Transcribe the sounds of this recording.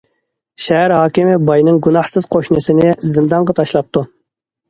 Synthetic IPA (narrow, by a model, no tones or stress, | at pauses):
ʃɛɦæɾɦɑːkʲimɪbɑjnɨŋɡunɑhsɨz̥qʰoʃnɨsɪnɪzɪmd̪ɑɴʁɑt̪ʰɑʃlˠɑp̚t̪ʰu